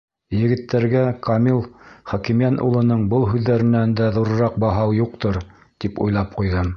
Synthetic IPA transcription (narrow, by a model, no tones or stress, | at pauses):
jɘ̆ɡɘ̆t̪ːæɾɡækʰɑmilˠχɒkimjænʔṵlˠɤ̆nɤɴbɤlˠɦʉðːæɾɘ̆nænd̪æðuɾɤ̆ɾɑq̚bɑɦɑwjuq̚t̪oɾ | t̪ipṵjlˠɑp̚qujðɤm